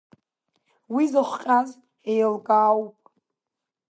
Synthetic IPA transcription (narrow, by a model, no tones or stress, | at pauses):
wizɨχʷqʲʼaz | ejlɡaːwpʼ